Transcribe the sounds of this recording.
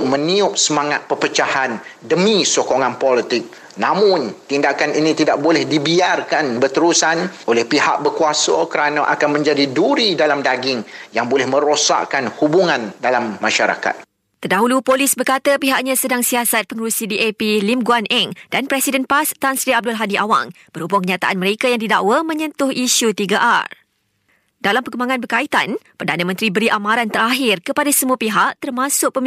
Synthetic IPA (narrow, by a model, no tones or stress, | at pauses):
mə̃niʊʔ̚səmaŋat̪̚pəpət͡ʃahandəmĩsokoŋãnpolit̪ɪk̚ | nãmʊ̃nt̪indakaninĩt̪idaʔ̚bolɛhdibiarkanbərt̪əɾusanʔolɛhpiha̰ʔ̚bərkuasakəɾanaʔakanmə̃ɲd͡ʒadiduɾidalamdaɡɪŋjaŋbolɛhmə̃ɾosa̰ʔkanhubuŋãndalamːaʃaɾa̰ka̰t̪̚ | t̪ərdaɦulupolisbərkat̪apiɦaʔɲãsədaŋsiasat̪̚pəŋəɾusidiʔepilimɡuanʔɛŋd̥anpɾɛsidənpast̪ansɾiab̚dʊlɦadiʔawa̰ŋ | b̥əɾubuaŋkəɲat̪aʔanməɾekajaŋdidaʔwamə̃ɲə̃nt̪ʊhiʃut̪iɡaʔar | dalampəkəmbaŋãnbərkait̪anpərdanə̃mə̃nt̪ɾibəɾiʔamãɾant̪əɾaɦɪrkəpadasəmuapiɦaʔ̚t̪ərmãsʊk̚pəm